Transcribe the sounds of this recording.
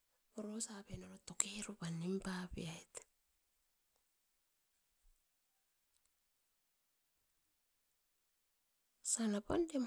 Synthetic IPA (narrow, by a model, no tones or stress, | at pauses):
oɾosapenoɾotokeɾupanːimpapḭaet | sanapa̰ndem